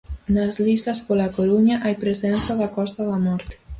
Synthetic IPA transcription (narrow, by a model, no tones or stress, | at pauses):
nazlist̪ɐspolakoɾuɲaʔajpɾesɛnθaðakɔst̪ɐðɐmɔɾt̪e̥